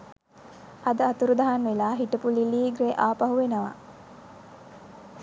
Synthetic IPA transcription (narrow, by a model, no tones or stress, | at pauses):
ʔɐd̪əɐt̪uɾud̪ɐɦanʋelaːɦiʈɐpuliliːɡɾeʔaːpɐɦuʋenəʋa̰